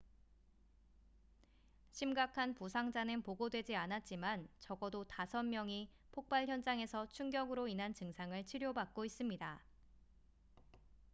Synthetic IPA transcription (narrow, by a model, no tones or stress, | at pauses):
ɕʰimɡakʰanpusʰaŋd͡ʑanɯnpoɡodwe̞d͡ʑianat̚t͡ɕ͈imant͡ɕʌɡʌdotasʰʌnmjʌŋi | pʰok̚p͈aɭçjʌnd͡ʑaŋe̞sʰʌt͡ɕʰuŋɡjʌɡɯɾoinɦant͡ɕɯŋsʰaŋɯɭt͡ɕʰiɾjobak̚k͈ois͈ɯmɲida